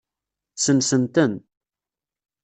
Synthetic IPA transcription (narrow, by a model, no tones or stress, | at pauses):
sənsənt̪ən